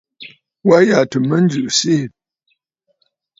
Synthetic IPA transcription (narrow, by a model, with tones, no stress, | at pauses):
wa˦ja˨tə˨mə˦n̩˦d͡ʒʉ˨ʔsi˦˨